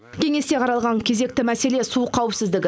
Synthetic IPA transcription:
kʲʰe̞ŋe̞st̪e̞qʰɑɾɑlˠʁɑŋkʲʰe̞ze̞k̚t̪ɪmæse̞le̞suqʰɑwɪpsɪzd̪ɪɡʲɪ

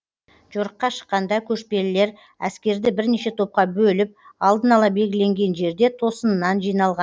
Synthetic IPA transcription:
ʒoɾəqːɑʃə̥qːɑnd̪ɑkʲʰɵʃpe̞lɪle̞ɾ | æ̰skʲe̞ɾd̪ɪbɪɾne̞ʃe̞t̪ʰo̞p̚qɑbɵlɪp̚ɑlˠd̪ənɑlˠɑbe̞lɡʲɪle̞ŋɡʲe̞nʒe̞ɾd̪e̞t̪ʰo̞sənənːɑnʒijnɑlˠʁɑ

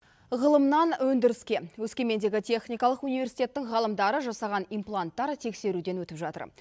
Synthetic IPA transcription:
ʁəlˠəmnɑnwɵnd̪ɪɾɪskʲe̞wɵskʲe̞me̞nd̪e̞ɡʲɪt̪ʲʰe̞χnijkɑlˠəqunijve̞rsi̥t̪e̞t̪ːɪŋʁɑlˠəmd̪ɑɾəʒɑsɑʁɑnijmplˠant̪ːɑɾt̪ʰe̞kse̞ɾud̪e̞nwɵt̪ɪpʒɑt̪ə̰ɾ

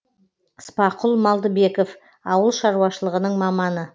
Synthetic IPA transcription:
əspɑqʰʊlˠmɑlˠd̪əbe̞kof | ɑwəlˠʃɑɾuɑʃəlˠəʁənəɴmɑmɑnə

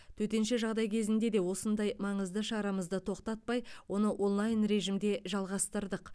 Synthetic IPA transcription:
t̪ʰɵt̪e̞nʃeʒɑʁd̪ɑjkʲʰe̞zɪnd̪e̞d̪e̞wo̞sənd̪ɑjmɑɴəzd̪əʃɑɾɑməzd̪ət̪ʰo̞qt̪ɑt̪̚pɑjwo̞nəʔo̞nlˠɑjnɾe̞ʒimd̪e̞ʒɑlˠʁɑst̪əɾd̪əq

